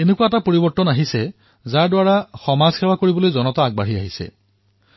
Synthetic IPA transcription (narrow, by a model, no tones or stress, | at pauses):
enekuaɛtapoɹibɔɹtːɔnaɦisɛ | zaɹdwaɹaxɔmaz̥xɛwakoɹibɔlojzɔnɔtaːɡ̚baɦiaɦisɛ̰